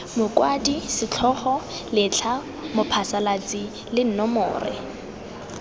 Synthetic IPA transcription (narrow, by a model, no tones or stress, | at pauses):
mʊkwadisɪt͡ɬʰɔχɔ | lɪt͡ɬʰa | mʊpʰasalat͡sʼi | lɪn̩nɔmʊ̰ːrɪ̰